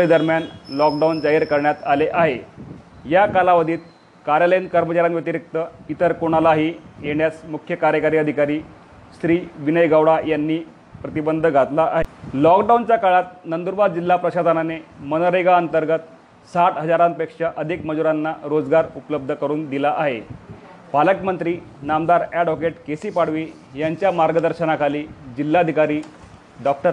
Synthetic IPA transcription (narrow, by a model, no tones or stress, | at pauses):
ed̪əɾmjanlɔk̚ɖaund͡zaɦiɾkəɾɳjat̪aleʔaɦe | jakalaʋəd̪ʱiːt̪̚ | kaɾjalankəɾmət͡ɕaɾjamʋjət̪iɾik̚t̪əit̪əɾkoɽ̃alaɦijeɳjat͡smukʰjəkaɾjəkaɾiəd̪ʱikaɾiː | st̪ɾiːʋinəjɡawɽajanːiː | pɾət̪ibənd̪ʱəɡʱat̪laʔaɦelɔkɖawnt͡ɕjakaɭat̪nənd̪uɾbad̪̚d͡ʑilːapɾəɕasənanemənɾəjɡaənt̪əɾɡət̪ | saʈɦəd͡zaɾampekʂaʔəd̪ʱikməd͡zuɾanːaɾod͡zɡaɾupləb̚d̪ʱəkəɾuːnd̪ilaʔaɦe | paləkmənt̪ɾiː | namd̪aɾjaɽɔkeʈkesiːpaɽ̤ʋiː | jaɲt͡ɕjamaɾɡəd̪əɾɕənakʰaliːd͡ʑilːaəd̪ʱikaɾiː | ɖɔk̚ʈəɾ